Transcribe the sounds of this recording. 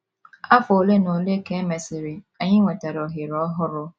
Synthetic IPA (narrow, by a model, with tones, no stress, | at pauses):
a˦fo˨le˦no˨le˦ke˦me˨sɪ˨ɾɪ˨ | a˨ɲɪ˦ŋʷe˨te˨ɾɔ˨ɦɪ˨ɾɔ˦ɦʊ˦ɾʊ˦